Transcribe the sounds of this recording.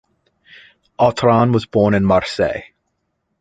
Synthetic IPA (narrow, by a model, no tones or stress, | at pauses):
ʔɑtʰɹɑ̃nwʌzbɔɹnɨ̃nmɑɹsḛɪ